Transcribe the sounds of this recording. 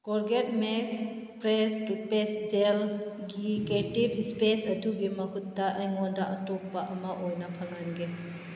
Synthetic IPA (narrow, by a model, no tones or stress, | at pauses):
koɾɡetmeks | pɾestupesd͡ʒelɡiketibispesɐduɡimɐkʰutːɐʔɐjŋondɐʔɐtok̚pɐʔɐmɐʔojnɐpʰɐŋɐnɡe